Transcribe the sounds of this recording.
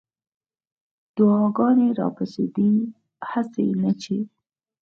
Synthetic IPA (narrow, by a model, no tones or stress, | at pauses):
d̪̥ʊɑɡɑneɾɑ̰pasḛd̪ə | hasḛnət͡ʃe